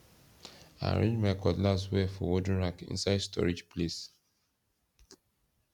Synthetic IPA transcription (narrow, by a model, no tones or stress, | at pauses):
ã̰ɹḛ̃d͡ʒmɛkɔdlaswɛfɔwodə̃nɹakḭ̃nsaɪdstɔ̰ɹid͡ʒples